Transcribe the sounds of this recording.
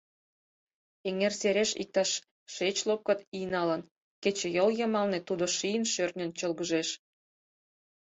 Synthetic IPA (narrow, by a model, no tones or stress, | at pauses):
eŋerseɾʲeʃḭk̚t̪ɑʃː | et͡ɕlop̚kɤ̆t̪ijnɑlən | ket͡ɕĕjoljəmɑlnet̪ud̪oʃijənʃørnʲənt͡ɕəlɣəʒeʃ